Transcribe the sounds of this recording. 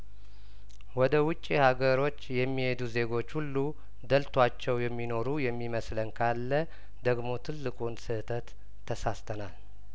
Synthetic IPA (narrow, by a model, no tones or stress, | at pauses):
wɔd̪əwʊt͡ʃʼːihaɡəɾo̞t͡ʃːjɛmːihe̞d̪uze̞ɡo̞t͡ʃːhulːu | d̪əlt̪ʰwat͡ʃːɛwjɛmːino̞ɾujɛmːiməslənkʰalːə | d̪əɡmo̞t̪ʰɨlːɨkʼunsɨht̪ʰət̪ʰː | əsast̪ʰənal